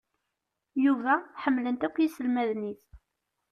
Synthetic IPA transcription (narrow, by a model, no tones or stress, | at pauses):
juvæħəmːlənt̪ækʷːjisəlmæðniθ